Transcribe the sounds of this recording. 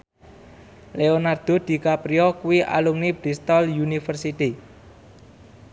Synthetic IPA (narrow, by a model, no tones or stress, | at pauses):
leonard̪̥o̤d̪̥i̤kapɾiɔkuwiʔa̰lumnib̥ɾist̪ɔljunifərsit̪i